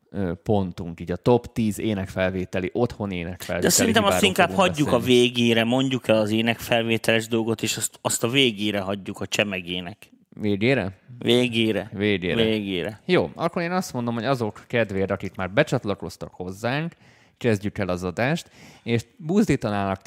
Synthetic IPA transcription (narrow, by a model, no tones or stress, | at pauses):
øpo̞nt̪uŋkiːɟɒt̪o̞pt̪iːzeːnɛkfɛlveːt̪ɛliʔo̞t̪ho̞neːnɛkfɛ̰ld̪ɛsɛlint̪ɛmɒsːɾt̪iŋkaːhɒɟːukɒveːɡeːɾɛmo̞ɲɟukɛlɒzeːnɛkfɛlveːt̪ɛlɛʒd̪o̞lɡo̞t̪eːʃɒst̪ɒst̪ɒveːɡeːɾɛɦɒɟːukɒt͡ʃɛmɛɡeːnɛk | ʋeːɡeːɾɛ̰veːɡeːɾɛveːɡḛːɾɛeːɡeːɾɛjoːɒkːo̞ɾeːnɒst̪mo̞nd̪o̞mɦo̞ɟɒzo̞kːɛd̪ʋeːɾɒkikmaːrbɛt͡ʃɒt̪lɒko̞st̪ɒkho̞zːaːŋk | kɛzɟykɛlɒzɒd̪aːʃt̪eːʃbuːzd̪iːt̪ɒnaːlɒk